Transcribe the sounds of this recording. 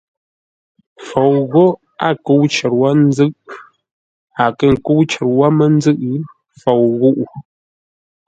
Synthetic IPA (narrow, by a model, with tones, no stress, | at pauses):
fo˨wɣɔ˦ | a˦˨kə˦wt͡ʃə˨ɾwa˦n˦zɨ˦ʔ | a˨kə˦˨ŋ̩˨ku˦wt͡ʃə˨ɾwa˦mə˦n˦zɨ˦ʔ | fo˨wɣu˦ʔu˨